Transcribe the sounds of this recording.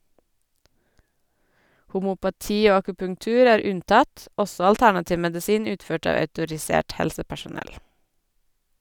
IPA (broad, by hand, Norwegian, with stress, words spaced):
hʊmʊpɑˈtiː ˈoː ɑkʉpʉŋˈtʉːɾ ˈæːɾ ˈʉnˌtɑt ˈɔsɔ ɑlˈtæɳɑtɪʋ mɛdɪˈsiːn ˈʉːtˌføːʈ ˈɑːʋ œʉtʊɹɪˈseːʈ ˈhɛlsəpæʃʊˌnɛl